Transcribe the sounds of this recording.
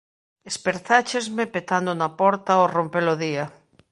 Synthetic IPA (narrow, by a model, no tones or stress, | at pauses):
espeɾθat͡ʃezmepet̪and̪onapɔɾt̪aorompeloðia